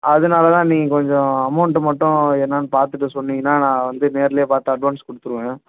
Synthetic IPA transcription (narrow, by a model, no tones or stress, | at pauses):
ɐðɯnaːlɐt̪ãːnĩːkɔɲd͡ʒɔ̃ɐmɐʊɳʈɯmɐʈːʊ̃ɛnːanpaːɾt̪ɯʈːɯsɔnːɪŋnaːnãːʋɐnd̪ɯneːɾɐlɪjeːpaːɾt̪ːaːɐɖʋaːnskɔɽɯt̪ːɯɾɯʋẽː